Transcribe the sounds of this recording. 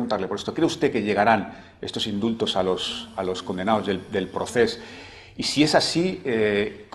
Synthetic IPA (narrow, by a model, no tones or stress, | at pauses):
ɣunt̪aɾle̞po̞ɾest̪o̞kɾe̞ust̪e̞ke̞ʎe̞ɣ̞aɾan | e̞st̪o̞sind̪ult̪o̞salo̞salo̞sko̞nd̪e̞nao̞zðeld̪e̞lpɾo̞θe̞s | isie̞sasiek